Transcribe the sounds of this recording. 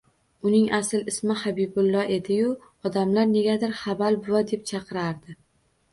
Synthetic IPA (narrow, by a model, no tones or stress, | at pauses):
ʊnɪŋasɪlɪsmɪhabibʊlˠːɒʔe̞d̪ɪjʊ | ɒd̪amlaɾne̞ɡʲad̪ɪɾχabalbʊwad̪e̞p̚t͡ʃʰɑqʰɨɾaɾd̪ɪ